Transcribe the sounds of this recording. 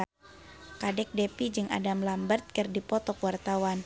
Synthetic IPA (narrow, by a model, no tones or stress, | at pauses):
kadɛk̚dɛpid͡ʒɨŋʔa̰damlambərt̪̚kɨrdipɔt̪ɔkwart̪awan